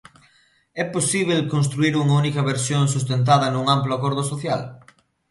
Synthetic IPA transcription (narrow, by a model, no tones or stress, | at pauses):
ɛposiβ̞elkonst̪ɾuiɾuŋɐunikɐβeɾsjoŋs̬ust̪ent̪̬aðɐnũŋamploakoɾðosoθja̰l